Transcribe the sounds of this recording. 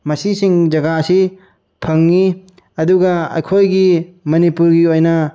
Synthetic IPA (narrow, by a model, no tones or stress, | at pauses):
mɐsisiŋd͡ʒɐɡaɐsi | pʰɐŋːi | ɐduɡaɐ̰jkʰojɡimɐnipuɾɡiojnɐ